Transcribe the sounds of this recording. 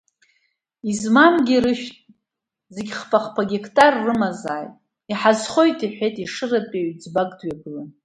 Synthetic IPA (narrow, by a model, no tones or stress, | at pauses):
izmamɡʲiɾɨʃᶣtʼ | zeɡʲχfʼaχpʰaɡʲekʰtʼarːɨmazaːjtʼ | iħazχo̞jtʼiħʷᶣejtʼiʂɨrapʼeɥd͡zbaɡʼdɥaɡɨlan